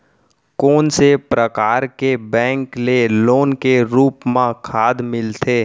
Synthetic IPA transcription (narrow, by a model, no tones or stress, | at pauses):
koːnsepɾəkaːɾkebɛ̃ːŋkleloːnkeɾuːpmãkʰaːd̪mɪlt̪ʰeː